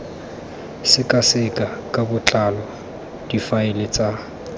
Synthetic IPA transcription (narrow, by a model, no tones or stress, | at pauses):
sɪkʼasɪkʼakʼabʊt͡ɬʼalɔ | d̥ifaɪlɪt͡sʼa